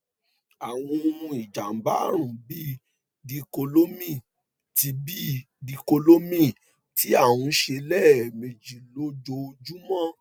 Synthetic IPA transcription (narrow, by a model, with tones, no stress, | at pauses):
a˨w̃ɔ̃˧i˨d͡ʒa˨m̩˨ba˦˨ɾ̃ũ˨bi˦ | di˧ko˧lo˦mĩ˦˨ | ti˧bi˦ | di˧ko˧lo˦mĩ˦˨ | ti˨˦a˦˨wũ˧˦ʃe˧lɛ˦˨mẽ˨d͡ʒi˨lo˨˦d͡ʒo˧˦˧d͡ʒu˦mɔ̃˦˨